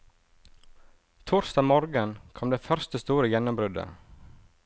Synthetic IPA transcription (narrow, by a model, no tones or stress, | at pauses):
t̪ʰuːɾsd̪ɑːmɔɾɡənkʰɔmd̪eːfœɾst̪əst̪uːɾəjɛnʊmbɾʉd̪ə̰